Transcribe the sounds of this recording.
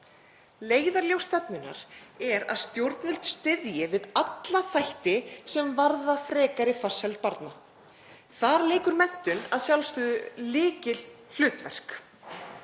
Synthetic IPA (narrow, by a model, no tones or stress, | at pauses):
leːjðaɾljowst̪ɛpnʏna̰ɾ̥ɛɾa̰ðst̪jowɾt̪nʏlt̪st̪ɪðjɪvɪðat̪laθajht̪ɪsɛmvaɾðafɾɛːkaɾɪfḁshɛlt̪̚paɾt̪na | θaɾlɪːkʏɾmɛn̥t̪ʏnaðsjawlst̪ʏːðʏlɪːcɪl | l̥ʏːt̪vɛr̥k